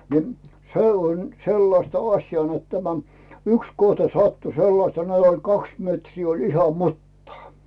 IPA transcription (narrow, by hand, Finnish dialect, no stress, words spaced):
ni̞ se on selːɑstɑ ɑsʲjɑː net tæmæ yks kohtɑ sɑtːu selːɑstɑ net olʲ kɑks metriː olʲ ihɑ mutːɑː